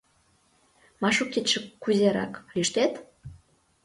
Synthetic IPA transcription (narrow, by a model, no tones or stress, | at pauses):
mɑʃukːit̪ʃə̆kkːuzʲeɾɑ̰klyʃt̪et̪